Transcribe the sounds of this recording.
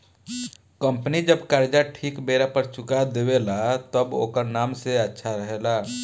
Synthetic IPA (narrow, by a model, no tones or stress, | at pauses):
kəmpənid͡ʒəbkaɾd͡ʒaʈʰiːkbeɾapəɾt͡ʃʊkad̪ewelat̪əbo̰ːkəɾnaːmseətːʃʰaɾəɦela